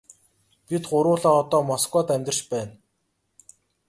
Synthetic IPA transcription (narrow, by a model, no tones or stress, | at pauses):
pʲit̪ɢʊɾʊːɮaːɔt̪ɔːmɔskwɔːt̪æmʲt̪ɪ̆r̥t͡ɕpæːn